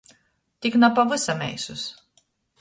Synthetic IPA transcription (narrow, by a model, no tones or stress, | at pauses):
t̪ʲiknapavɨsamʲɛ̰jsus